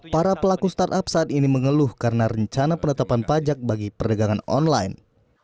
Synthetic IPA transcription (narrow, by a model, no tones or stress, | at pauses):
paɾapəlakust̪art̪apsaːt̪iniməŋəlʊhkaɾənaɾəɲt͡ʃanapənət̪apanpad͡ʒak̚baɡipərdəɡaŋanɔ̰nla̰jn